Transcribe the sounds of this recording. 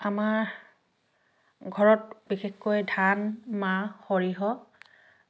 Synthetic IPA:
amaɹ | ɡʱɔɹɔt̚bixexkojdʱanmaxɔɹiɦɔ

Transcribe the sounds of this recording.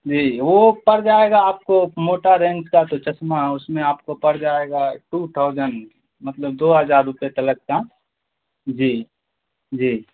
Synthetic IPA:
d͡ʒiːʋopəɾd͡ʒaːeɡaːp̚komoːʈaɾẽnt͡ʃkat̪ot͡ʃɐsmaʊsmẽaːpkopəɾd͡ʒaːeɡaʈut̪ʰaʊd͡ʒən | mət̪ləbd̪oːɦəd͡ʒaːɾːʊpet̪ələk̚ka | d͡ʒiː | d͡ʒiː

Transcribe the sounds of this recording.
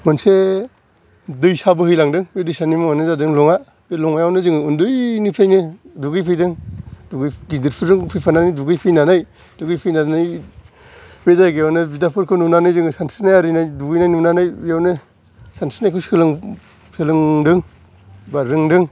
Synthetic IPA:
manse | dɯjsabɯɦɯjlaŋdɯŋbedɯjsanimaanɯzadɯŋlɔŋa | belɔŋajawnɯzɯŋɯundɯjnipʰɾajnɯduɡɯjpʰɯjdɯŋduɡɯjɡidiɾpʰɯɾɯŋpʰɯjpʰananɯjduɡɯjpʰɯjnanaj | duɡɯjpʰɯjnanɯj | bezaɡejawnɯbidapʰɯɾkʰɯnumnanɯjzɯŋɯsansinajaɾɯjnajduɡɯjnajnumnanajijawnɯ | sansʰi̥najkʰuskɯlɯŋ | pʰelɯŋdɯŋ | baɾɯŋdɯŋ

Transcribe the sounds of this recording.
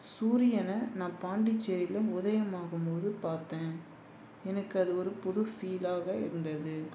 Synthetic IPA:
suːɾɪjɐnɐnãːpaːɳɖɪt͡ʃːɛɾɪlɐʊðɐjɐmaːɣɯmpoːðɯpaːɾt̪ẽː | ɛnɐkːɯɐðɯɔɾɯpʊðʊfiːlaːɣɐɪ̰ɾɯnd̪ɐðɯ

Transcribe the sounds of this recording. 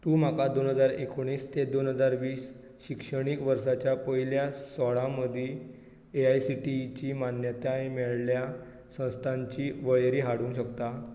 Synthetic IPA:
t̪uːmakad̪onɦəd͡zaɾekoɽ̃iːst̪ed̪onɦəd͡zaɾʋiːs | ɕikʂəɽ̃ikʋəɾsat͡ɕjapəɦiljasɔɭãməd̪ʱi | eajsiʈit͡ɕiːmanjət̪jaemɛɭlja | sə̃w̃st̪ʰãɲt͡ɕiːʋəjɾiːɦaɽũːɕəkt̪a

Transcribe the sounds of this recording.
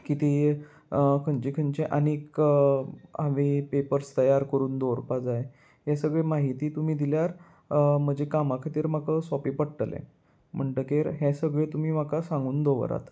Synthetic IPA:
kit̪iː | kʰəɲt͡ɕiːkʰənt͡ɕeʔənek | aʋipepəɾst̪əjaɾkəɾuːnd̪oɾpad͡zaje | ɦjesəɡɭemaɦit̪iːt̪um̤iːd̪iljaɾ | m̤əd͡ʑekamakʰat̪iːɾmakəsɔpiːpəɽʈəlḛ̃ | m̤əɳʈ̪əkeɾɦesəɡɭet̪um̤iːmakasãŋɡuːnd̪oʋə̰ɾa̰t̪

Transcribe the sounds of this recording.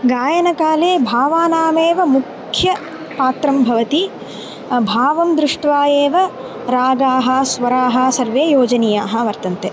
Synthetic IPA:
ɡaːjɐnɐkaːleːbʱaːʋaːnaːmeːʋɐmukʰjɐ | paːt̪ɾɐmbʱɐʋɐt̪i | bʱaːʋɐmd̪ɾɪʂʈʋaːjeːʋɐ | ɾaːɡaːɦɐːsʋɐɾaːɦɐsɐɾʋeːjoːd͡ʒɐnijaːɦɐʋɐɾt̪ɐnt̪e

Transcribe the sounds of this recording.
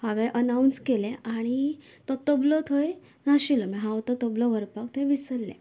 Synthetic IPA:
haʋeʔənaunskelɛ̃aɽ̃i | t̪ɔt̪oblɔt̪ʰoj | naɕilɔmeɦãʋt̪ɔt̪oblɔʋəɾpak̚t̪ʰojʋisəɾlɛ̰̃

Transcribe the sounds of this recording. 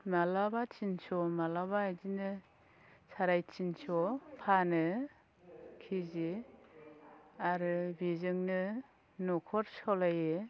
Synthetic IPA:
malabat͡ʃinsɔmalaβaajzinɯ | saɾajt͡ʃint͡ʃɔpʰanɯ | kʰizi | aɾɯbizɯŋnɯ | nɔkʰɔɾsɔlajɯ

